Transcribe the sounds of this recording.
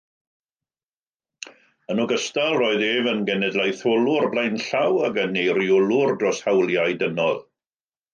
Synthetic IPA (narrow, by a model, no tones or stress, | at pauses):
ənɔɡəstalˠroːɨðeːvənɡɛnɛdlˠajθolˠʊrblˠajnɬawaɡənejɾjʊlˠʊrdrɔshawlˠjajdənɔlˠ